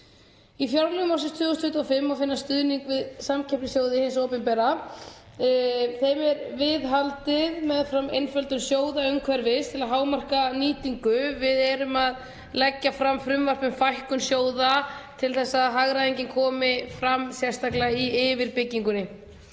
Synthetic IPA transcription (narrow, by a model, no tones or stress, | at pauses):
ifjawɾlɛɣmawsɪst̪ʰvʏːɣʏst̪ʰʏht̪uɔfɪmːawfɪnːast̪ʏðniŋkvɪðsamcʰɛpnɪsjoːwðɪhɪnsoːpɪnpɛɾa | θejmɛɾvɪðɦalt̪ɪðmɛðfɾamejnfœlt̪ʏnsjoːwðaœŋkʰvɛɾvɪst̪ʰɪlaðɦaːwmar̥kaniːt̪iŋkʏvɪðɛɾʏmað | lɛcːafɾamːfɾʏmvar̥pʏmfajhkʏmsjoːwðat̪ʰɪlθɛsːaðɦaɣɾaðejɲcɪŋkʰɔːmɪfɾamːsjɛrst̪aklaiɪːvɪɾpɪcːiŋkʏnɪ